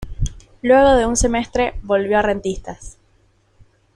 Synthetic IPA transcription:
lwe̞ɣo̞ðe̞unse̞me̞st̪ɾeβo̞lβjo̞arent̪ist̪as

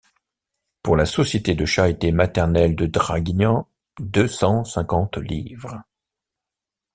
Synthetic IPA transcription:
puʁlasɔsjet̪ed̪əʃaʁit̪emat̪ɛʁnɛld̪əd̪ʁaɡnɑ̃ | d̪øsɑ̃sɛ̃kɑ̃t̪livʁə

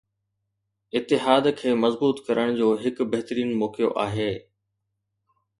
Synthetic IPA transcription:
ɪt̪ːɪɦaːd̪kʰeːmɐzbuːt̪kɐɾʔəɽ̃d͡ʑoːɦɪkbɐɦt̪ɾiːnmɔːkijo̰ʔaːɦeː

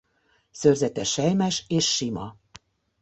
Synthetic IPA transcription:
sørzɛt̪ɛʃɛjmɛʃeːʃːimɒ̰

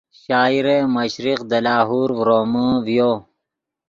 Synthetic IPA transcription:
ɕaːiɾemɐɕɾiqd̪ɐlaːɦuːɾɾoːməvjoː

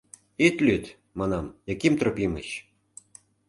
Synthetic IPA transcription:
it̪lʲyt̪ | mɑnɑmjɑkimt̪ropʲimə̰ɕ

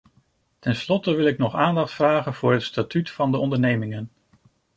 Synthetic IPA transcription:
tɛnslɔtəʋɪlˠɪknɔχaːndɑχtfraːχənv̥ʊːɹɦətstatytfɑndəɔndəɹnejmɪŋən

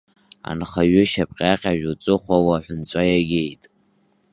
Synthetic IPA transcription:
a̰nχaɥʏʃapʼqʲʼaqʲʼaʒᶣut͡sʷʼɨχʷawaħʷʊnt͡ɕʷʼajaɡʲejtʼ

